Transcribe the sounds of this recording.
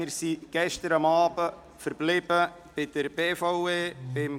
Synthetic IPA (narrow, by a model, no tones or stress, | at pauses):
ɪɾsiɡ̥ɛʃtəɾɑmɑːbə | fəɾblɪb̥ə | b̥ɪd̥əɾb̥eːfɔeːb̥ɪm